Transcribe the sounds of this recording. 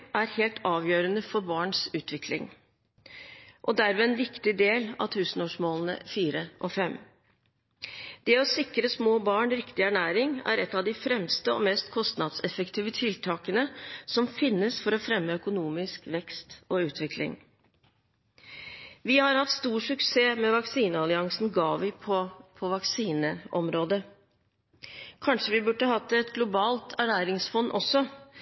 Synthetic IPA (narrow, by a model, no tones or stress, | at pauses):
ʔæɾheːlt̪ʰɑːʋjøːɾənəfɔɾbɑːɳsʉːt̪ʰʋɪkʰlɪ̰ŋ | ʔɔd̪æɾmɛɛnʋɪkt̪ɪd̪eːlɑ̰ʋt̪ʰʉːsn̩oːʂmoːln̩ə̰fiːɾəʔɔfɛm | d̪̥ɛɔsɪkɾəsmoːbɑːɳɾɪkt̪ɪæɳæːɾɪŋæ̰ɾɛt̪ːɑʋd̪ɪfɾɛmst̪əɔ̰mɛːst̪kʰɔst̪nɑd̪sɛfəkt̪ʰiːʋət̪ʰɪlt̪ʰɑːkənəsɔmfɪnːəsfɔɾɔfɾɛmːəœkʊnuːmɪskʋɛkst̪ʔɔʉːt̪ʰʋɪklɪ̰ŋ | ʋɪhɑɾhɑt̪ːst̪uːʂʉkseːmɛʋɑksiːnəɑlɪɑŋsn̩ɡɑːʋɪpʰɔpʰɔʋɑksiːnəʔɔmɾoːd̪ə | kʰɑnʂəʋɪbʉɖəhɑt̪ːəɛt̪ɡlʊbɑːlt̪ʰæɳæːɾɪŋsfɔnːʔɔsːɔ